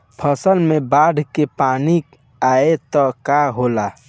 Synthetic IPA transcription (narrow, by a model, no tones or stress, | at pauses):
pʰəsəlmebaɖʱkepaːni | aet̪ɔkaɦola